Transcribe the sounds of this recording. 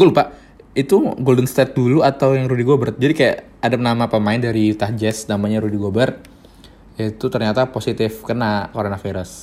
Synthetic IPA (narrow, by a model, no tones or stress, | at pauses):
ɡulupaʔ | it̪uɡoldəŋst̪ɛt̪̚duluat̪awjaŋɾudiɡobərt̪̚d͡ʒadikaja̰ʔ | adapənamapəmaɪndaɾit̪ahd͡ʒɛsnamaɲaɾudiɡobərt̪ | jait̪ut̪ərɲat̪aposit̪ɪfkənakoɾonafiɾʊs